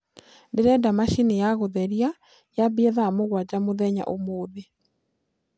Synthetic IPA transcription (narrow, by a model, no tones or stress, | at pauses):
deɾɛdamaʃinejaɣoðɛɾia | jabeɛðamoɣwad͡ʑamoðɛɲa̰ʔomoːðe